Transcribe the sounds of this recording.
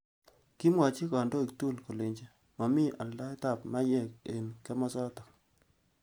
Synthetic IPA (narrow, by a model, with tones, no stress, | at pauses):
ki˦mwa˨t͡ʃi˦ka˨ndo˦i˨ktu˦˨lko˨le˨ɲd͡ʒe˦ | mɔ˨mɪ˦ʔa˨lda˦ta˦˨pma˦jɛ˦˨k̚e˨nkɛ˦mɔ˦sɔ˦tɔ˨